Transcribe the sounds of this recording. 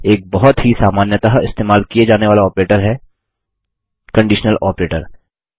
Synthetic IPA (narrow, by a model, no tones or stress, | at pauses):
eːk̚bɔɦɔt̪ɦisaːmaːnjət̪aɦɪ̰st̪eːmaːlkied͡ʒaːneʋaːlaɔːpɾeːʈəɾɦɛː | kɐ̃ɳɖiːʃnəlɔːpɾeːʈə̰ɾ